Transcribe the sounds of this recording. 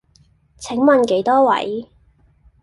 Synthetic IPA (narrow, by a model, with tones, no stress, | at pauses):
t͡sʰɪ˨˥ŋmɐ˨nke˨˥jt̪ɔː˥wɐ̰˨˥j